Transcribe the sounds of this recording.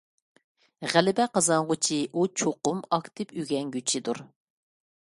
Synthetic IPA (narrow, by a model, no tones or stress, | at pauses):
ʁælɪbɛqɑzɑŋʁʊt͡ʃʰiʔut͡ʃʰoqʊmɑkt̪ʰɨpyɡʲɛŋɡʲyt͡ʃʰid̪ṵɾ